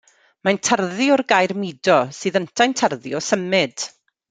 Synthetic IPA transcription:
majntʰarðɪɔrɡajrmidɔsɨːðəntʰajntʰərðɪɔsəmɪd̥

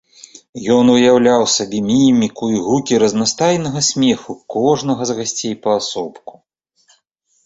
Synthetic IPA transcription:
jɔnujawlʲawsabʲɛmʲimʲikuiɣukʲiɾɐznast̪ajnɐɣɐsʲmʲɛxukɔʐn̪ɐɣɐzɣasʲt͡sʲejpɐːsɔpku̥

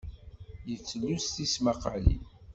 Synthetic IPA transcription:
jət͡sːəlːust̪ismaqəʕlḭ

